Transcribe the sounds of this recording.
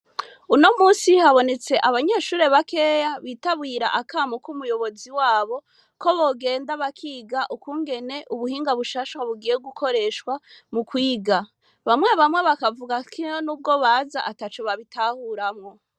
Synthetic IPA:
uno̞muːsihaβo̞ne̞t͡se̞ʔaβaɲe̞ːʃuːɾe̞βake̞jaβiːtaβɡiːɾa̰ʔakaːmokumujo̞βo̞ziwaːβo̞ | ko̞βo̞ɡe̞ːndaβakʰiːɡaʔukuːŋɡe̞ne̞ʔuβuhiːŋɡaβuʃaːʃwaβuɡiːje̞b̚ɡukʰo̞ɾe̞ʃkwamukwiːɡa | βamweβamŋwe̞βakavuɡakʰionuːb̚ɡo̞βaza̰ʔatat͡ʃoβaβitaːhuɾamŋo̞

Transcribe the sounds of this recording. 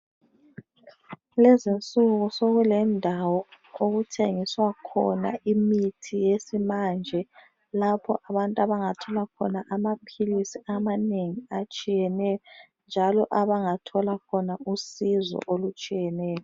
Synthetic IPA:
lɛzint͡sʼuɣusoɣulɛndʱawɔ | oɣutʰeŋiswakʰɔ̰na̰imitʰijesimand͡ʒʱɛ | lapʰɔ̰ʔaβantʼaβaŋatʰɔlakʰɔ̰naʔamapʰilisiamaneŋiat͡ʃʼijɛnɛjɔ | nd͡ʒʱalɔʔaβaŋatʰɔlakʰɔnausizɔ̰ʔolut͡ʃʼijɛnɛːjɔ

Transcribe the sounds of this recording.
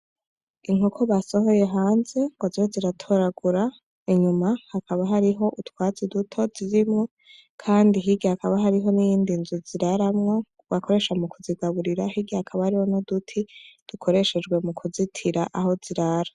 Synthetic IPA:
iŋ̥okʰoβaso̞ɦo̞je̞ɦaːnze̞ŋɡozihoziɾatʰo̞ɾaɡuɾa | iɲumahakʰaβaɦaɾiɦo̞ʔutwaːzidutʰo̞ziɾimŋo | kʰaːndiɦiɡihakaβaɦaɾiɦo̞nijiːndinzuziɾaɾamŋo̞ | ɡakʰo̞ɾe̞ʃamukuziɡaβuɾiɾahiɡihakʰaβahaɾiho̞nodutʰid̥ukʰo̞ɾe̞ʃed͡ʒɡwe̞mukʰuzitʰiɾaʔaɦo̞z̥iɾaɾa

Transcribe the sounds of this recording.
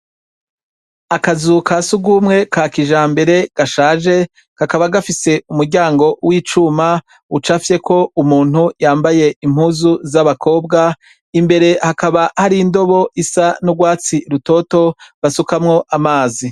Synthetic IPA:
akazukʰasuɡuːmŋe̞kakiʒaːmbe̞ɾe̞ɡ̥aʃaːʒe̞ | kakaβaɡafise̞umuɾɟaːŋɡo̞wiːt͡ʃuma | ut͡ʃafje̞kʰo̞umuːn̥ujaːmbaje̞im̥huːzuzaβakʰo̞ːbɡa | imbe̞ɾe̞hakaβahaɾiːndo̞βo̞ʔisanuɡwaːt͡siɾuto̞ːto̞βasukamŋo̞ʔamaːzi

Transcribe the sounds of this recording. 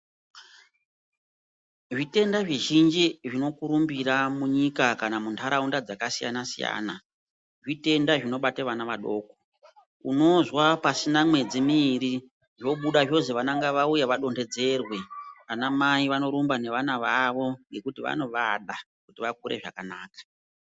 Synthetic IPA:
ʐite̞ndaʐiʒind͡ʒiʐino̞kuɾumbiramuɲikakanamuntʰaɾaundad͡zakasija̰nasija̰ːna | ʐite̞ndaʐino̞ɓateʋanaʋaɗo̞ːko | uno̞zwapasinamwe̞d͡zimiɾi | ʐo̞ɓuɗaʐo̞ziʋanaŋɡaʋaujaʋaɗo̞nde̞d͡ze̞rwe̞ʋanamaiʋano̞ɾumbane̞ʋanaʋaʋo̞ŋɡe̞kutiʋa̰no̞ʋaɗa | kutiʋak̚uɾe̞̰ʐa̰kanaːkḁ

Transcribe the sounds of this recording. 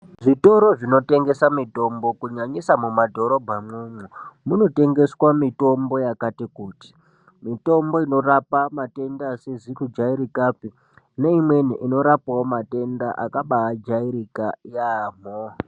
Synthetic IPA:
ʐito̞ɾo̞ʐino̞te̞ŋɡe̞samito̞mbo̞kuɲaɲisamumadʱo̞ɾo̞bʱamwemwumuno̞te̞ŋɡe̞swamito̞mbo̞jakatikuːti̥ | mito̞mbo̞ino̞rapamate̞ndaːsezikud͡ʒaiɾikapi | ne̞imwe̞niʔino̞ɾapawomate̞ndaʔa̰kaɓaɦːd͡ʒaiɾikajamo

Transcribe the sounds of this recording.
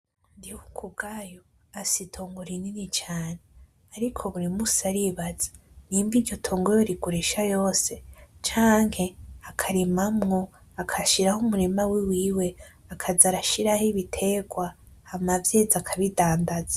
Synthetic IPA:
ndihukʰubɡajo | asitʰoːŋɡuɾininit͡ʃaːne | aɾikʰo̞βuɾimusaɾiβazḁniːmbiɾɟo̞tʰoːŋɡojoɾiɡuɾeʃajo̞ːse̞t͡ʃaːŋhe̞akʰaɾimamŋo̞ | akʰaʃiɾahumuɾimawiwiːwe̞ | akʰazaɾaʃiɾahiβitʰe̞ɡwahamavje̞ːzakʰaβidaːndazḁ

